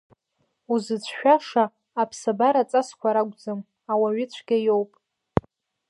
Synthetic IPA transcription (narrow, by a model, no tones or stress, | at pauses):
uzɨt͡sʷʰʃᶣaʂaː | pʰsabaɾat͡sʼaskʷʰaɾaɡʷd͡zɨm | awaɥɪt͡ɕʷʰɡ̥ʲajowpʼ